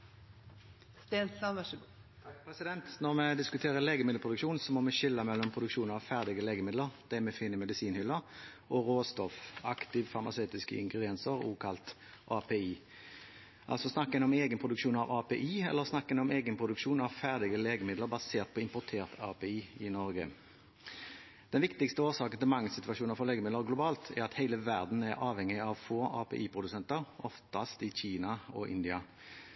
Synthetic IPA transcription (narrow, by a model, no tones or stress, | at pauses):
st̪eːnsɑ | pʁɛsɪd̪ɛnt̪nɔmɛd̪ɪskʉt̪ʰeːʁəleːɡəmɪd̪l̩pʰʁʊd̪ʉkʃuːnsɔmɔmɛʃɪlːəmɛlːɔmpʰʁʊd̪ʉkʃuːnɑʋfæʁd̪ɪɡəleːɡəmɪd̪ləʁd̪̥ɛmɛfɪnːəmɛd̪ɪsiːnhʏlːəʁ | ɔʁoːst̪ɔfɑkt̪ɪʋfɑʁmɑsœːt̪ɪskə̰ɪ̰ŋɡʁɪd̪ɪɛnsəʁṵːkʰɑlt̪ | ʔɑːpʰeːiː | ʔɑ̰lsɔsnɑkːənɔmeːɡənpʰʁʊd̪ʉkʃuːnɑʋɑːpʰeːʔiːɛ̰lːəʁsnɑkːənɔmeːɡənpʰʁʊd̪ʉkʂuːnɑʋfæʁd̪ɪɡəleːɡəmɪd̪ləʁbɑseːʁt̪̚pʰɔɪmpʊt̪ʰeːʁt̪ʰɑːpeːiːɪnɔɾɡə | d̪̥ɛnʋɪkt̪ɪkst̪əoːsɑːkənt̪ɪlmɑŋsɪt̪ʋɑʃuːnəɾfɔleːɡəmɪd̪ləʁɡlʊbɑːlt̪ʰæɾɑt̪hæɪləʋæʁd̪n̩æɾɑːʋhɛŋːɪɑʋfoːʔɑːpʰḛːʔiːpʰʁʊd̪ʉsɛnt̪əʁʔɔft̪ɑst̪ɪçiːnɑɔʔɪ̰nd̪ɪɑ